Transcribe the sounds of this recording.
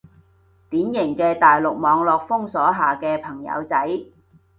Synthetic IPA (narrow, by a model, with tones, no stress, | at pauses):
t̪iː˨˥njɪ˨˩ŋkɛː˧t̪aː˨jlʊ˨k̚mɔː˨˧ŋlɔː˨k̚fʊ˥ŋsɔː˨˥ɦaː˨˩kɛː˧pʰɐ˨˩ŋjɐ̰˨˧wt͡sɐ˨˥j